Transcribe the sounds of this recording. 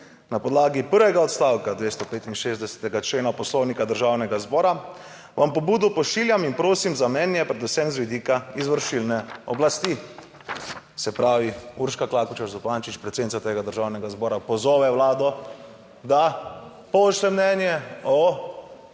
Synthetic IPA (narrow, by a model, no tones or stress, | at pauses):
napɔd̪laːɡipəɾʋɛɡaɔt̪st̪aːwkad̪ʋeːst̪ɔpeːt̪inʃeːzd̪ɛsɛ̥t̪ɛɡat͡ʃleːnapɔslɔwnikad̪əɾʒaːwnɛɡazbɔːɾa | ʋampɔbuːd̪ɔpɔʃiljaminpɾoːsimzamnɛːnjɛpɾɛd̪usɛmzʋid̪iːkaizʋəɾʃilnɛɔblast̪i | sɛpɾaːʋiuːɾʃkaklaːkut͡ʃaɾzupaːnt͡ʃit͡ʃpɾɛt̪sed̪nit̪sat̪eːɡad̪əɾʒaːwnɛɡazbɔːɾapɔzɔːʋɛwlaːd̪ɔ | d̪a | pɔʃlɛmnɛnjɛɔ